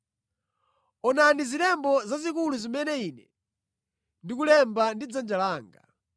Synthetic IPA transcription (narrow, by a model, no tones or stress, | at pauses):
ɔnanizilɛmbɔzazikuluzimɛnɛiːnɛ | ndikulɛmbandid͡zand͡ʒalaːŋɡa̰